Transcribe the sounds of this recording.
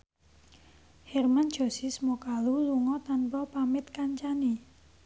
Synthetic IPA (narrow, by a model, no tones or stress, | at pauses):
hɛrmand̥ʒ̥o̤sismokaluluŋɔt̪anpɔpamɪt̪̚kaɲt͡ʃani